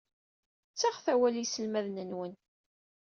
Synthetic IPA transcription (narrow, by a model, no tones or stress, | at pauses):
t͡sːaʁθæwælisəlmæðnənwən